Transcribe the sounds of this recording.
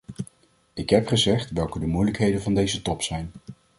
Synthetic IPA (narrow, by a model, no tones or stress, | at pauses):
ɪkɦɛpχəzɛχtʋɛlˠkədəmujləkɦejdənvɑndejzətɔpsɛjn